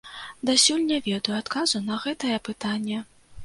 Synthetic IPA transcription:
d̪asʲulʲnʲɛvʲɛd̪ɐjuat̪kazunɐɣɛt̪ɐjɛpɨt̪anʲːɛ

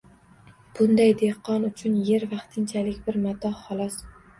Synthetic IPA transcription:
b̥ʊnd̪ajd̪e̞qʰːɒnʊt͡ʃʰʊnje̞ɾvɑqt̪ʰɪnt͡ʃʰalɪkʲbɪɾmat̪ʰɒhχɒlˠɒs

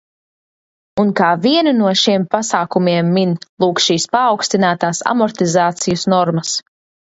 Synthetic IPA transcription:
unkaːviɛnunuɔʃiɛmpasaːkumiɛmːinlˠuːksʃiːspaːwkst̪inaːt̪aːsa̰mɔɾt̪izaːt̪sijusnɔɾmɐs

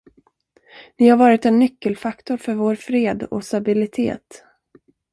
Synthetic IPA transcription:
nɪhaɾvɑːɾɪt̪ɛnːʏkːəlfakt̪ʊɾfœɾvoːɾfɾeːd̪ɔ̰st̪abɪlɪt̪ʰḛːt̪

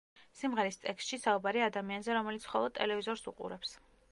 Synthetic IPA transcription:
simʁɛɾist̪ʼɛkst̪ʃisaubaɾiad̪amianzɛɾɔmɛlit̪sʰχɔlˠɔd̪t̪ʼɛlɛvizɔɾsṵqʼṵɾɛps

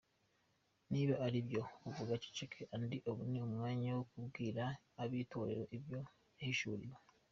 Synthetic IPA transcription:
niβaʔaɾibjo̞uvuɡat͡ʃi̥t͡ʃekʰeʔandiʔoβuniumŋaːɲawokubɡiːɾaː | βiːtʰo̞ːɾe̞̰ɾo̞ʔiβjo̞ | jahiʃuɾḭɾa

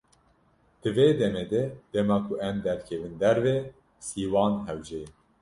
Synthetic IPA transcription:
d̪̥ɨveːd̪ɛmeːd̪ɛd̪̥ɛmɑːkʰuʔɛmd̪ɛɾkʰɛvɨnd̪ɛɾveː | siːwɑːnɦɛwd͡ʒeː

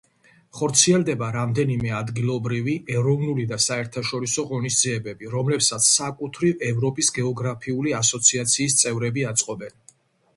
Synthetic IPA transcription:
χɔɾt̪sʰiɛld̪ɛbaɾamd̪ɛnimɛad̪ɡilˠɔbɾiviɛɾɔvnulid̪asaɛɾt̪ʰaʃɔɾisɔʁɔnisd̪ziɛbɛbiɾɔmlɛpsat̪sʰsakʼut̪ʰɾivɛvɾɔpʼisɡɛɔɡɾapʰiuliasɔt̪sʰiat̪sʰiːst̪sʼɛvɾɛbiat̪sʼqʼɔbɛn

